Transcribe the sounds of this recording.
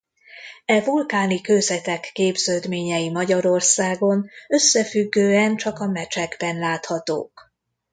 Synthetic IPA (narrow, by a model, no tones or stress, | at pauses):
ɛvulkaːnikøzɛt̪ɛkːeːbzøːd̪meːɲɛjimɒɟɒɾo̞rsaːɡo̞nø̞sːɛfyɡːøːɛnt͡ʃɒkɒmɛt͡ʃɛɡbɛnlaːt̪hɒt̪o̰ːk